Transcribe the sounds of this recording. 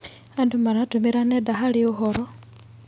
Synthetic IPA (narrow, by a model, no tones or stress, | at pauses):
andumaɾatumiɾanedaɦalioxoɾo